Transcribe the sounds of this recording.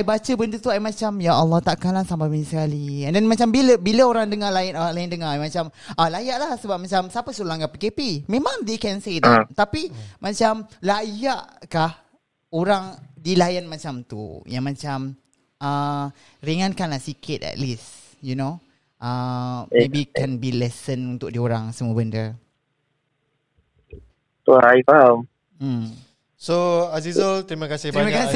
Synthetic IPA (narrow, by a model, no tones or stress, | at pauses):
ajbat͡ʃəbənt̪ut̪uajmat͡ʃamjaalːɔht̪aʔkalaŋsambabənisəkaliɛ̃ndɛnmat͡ʃambiləbiləoɾaŋdəŋalajɪnolajɪndəŋaamat͡ʃamʔalajaʔlahsəbap̚mat͡ʃamsapəsolaŋkapikepimẽmãŋd̪ekɛnsedɛ̰tt̪apimat͡ʃamlajaʔkah | oɾaŋdilajanmat͡ʃamt̪ṵjãŋmãt͡ʃam | a | ɾiŋãnkanlahsikʰɪt̪ɛ̰tlis | juno | ʔamebikɛ̃nbilɛsənunt̪ʊk̚dioɾaŋsəmubəndə | toɾaifam̩ | soazizəlt̪ɾiməkasɪhɾiməkas